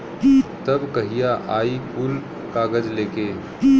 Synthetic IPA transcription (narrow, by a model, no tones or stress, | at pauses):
t̪ɐbkɐɦijaʔaːikʊl | kaːɡəd͡ʒleːkeː